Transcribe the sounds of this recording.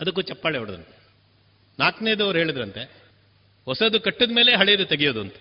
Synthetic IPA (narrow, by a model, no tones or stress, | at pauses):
ɐd̪ɐk̬ːuːt͡ʃɐpːaːɭeɐɽɐd̪ɐ̰nt̪e̥ | naːkneːd̪uɐʋɾuɦeːɭid̪ɾɐnt̪e | hɔsɐd̪ukɐʈːɐd̪ɐme̞ːle̞ɦɐɭejɐd̪ut̪ɐɡijoːd̪uɐnt̪ɐ̥